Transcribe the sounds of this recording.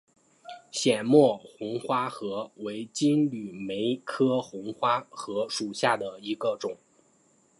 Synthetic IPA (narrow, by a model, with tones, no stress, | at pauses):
ɕjɛ˨˩nmwɔ˥˩xʊ˧˥ŋxwa˥xɤ˧˥we˧˥ɪt͡ɕi˥nly˨˩me˧˥ɪkʰɤ˥xʊ˧˥ŋxwa˥xɤ˧˥ʂu˨˩ɕja˥˩d̪ə˩i˧˥ɡə˧ʈ͡ʂʊ˨˩˦ŋ